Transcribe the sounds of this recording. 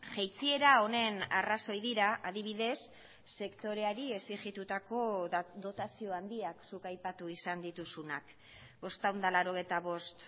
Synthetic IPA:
ʝejt͡sie̞ɾao̞ne̞na̰raso̞jðiɾaʔaðiβ̞iðe̞sː | e̞kt̪o̞ɾe̞aɾie̞siʝit̪ut̪ako̞d̪o̞t̪asio̞and̪iaksukajpat̪uisand̪it̪usunak | bo̞st̪awnd̪alaɾo̞ɣ̞e̞jt̪aβo̞st̪

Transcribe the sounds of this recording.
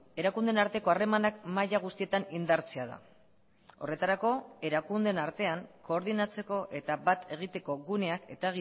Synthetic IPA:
e̞ɾakund̪enaɾt̪e̞ko̞are̞manakmajaɣ̞ust̪ie̞t̪anind̪aɾt͡se̞aða̰ | o̞̰re̞t̪aɾako̞e̞ɾakund̪e̞naɾt̪e̞aŋko̞ːɾðinat͡se̞ko̞ʔe̞t̪abat̪ʰe̞ɣ̞it̪e̞ko̞ɣune̞ake̞t̪aɣi

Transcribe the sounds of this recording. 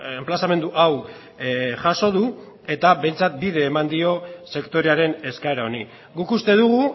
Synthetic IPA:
emplasame̞nd̪uʔaw | ʝaso̞ð̞u | e̞t̪aβe̞jnt͡sat̪̚biðe̞ːmand̪io̞se̞kt̪o̞ɾe̞aɾe̞ne̞skaeɾao̞ni | ɡukust̪e̞ðuɣ̞u

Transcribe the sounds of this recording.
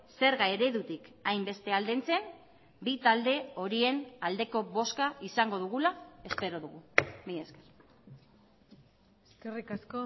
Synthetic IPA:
se̞ɾɣaeɾe̞ðut̪ikajmbe̞st̪e̞ald̪ent͡se̞n | bit̪ald̪e̞o̞ɾie̞nald̪e̞ko̞βo̞skaisaŋɡo̞ðuɣ̞ulae̞spe̞ɾo̞ðuɣumijesker | eskerikasko

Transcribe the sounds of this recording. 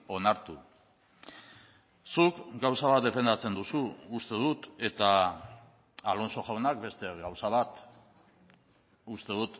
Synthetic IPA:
o̞naɾt̪u | sukɡawsaβat̪̚d̪e̞fe̞nd̪at͡se̞nd̪usuust̪e̞ðut̪e̞t̪a | alo̞nso̞ʝawnak̚be̞st̪e̞ɣawsaβat̪ | ust̪e̞ðut̪

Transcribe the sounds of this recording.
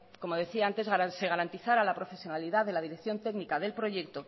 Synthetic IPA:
ko̞mo̞ð̞e̞θiaant̪e̞zɣaase̞ɣ̞aɾant̪iθaɾalapɾo̞fe̞sjo̞naliðaðe̞lað̞iɾe̞kθjo̞nt̪e̞ɡnikaðe̞lpɾo̞ʝe̞kt̪o

